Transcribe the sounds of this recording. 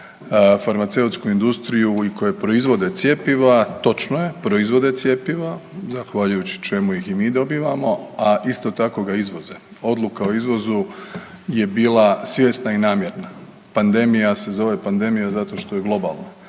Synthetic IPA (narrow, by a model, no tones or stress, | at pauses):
faɾmat̪se̞ut̪skuind̪ust̪ɾijuikojepɾo̞izʋo̞d̪e̞t̪sje̞piʋat̪o̞t͡ʃnoje̞pɾo̞izʋo̞d̪e̞t̪sje̞piʋazaxʋaʎujut͡ɕi̥t͡ʃe̞mujiximiːd̪o̞biːʋamo̞aʔist̪o̞t̪ako̞ɡaizʋo̞ze | o̞d̪lˠukao̞izʋo̞zu | je̞biːlasʋje̞st̪nainaːmje̞ɾna | pand̪e̞mijase̞zo̞ʋe̞pand̪e̞mijazat̪o̞ʃt̪o̞je̞ɡlˠo̞ba̰lˠna